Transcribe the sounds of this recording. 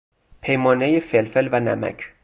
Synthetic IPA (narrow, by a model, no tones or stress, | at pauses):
pʰejmɒːnejefelfɛlvænæ̰mæ̰kʰ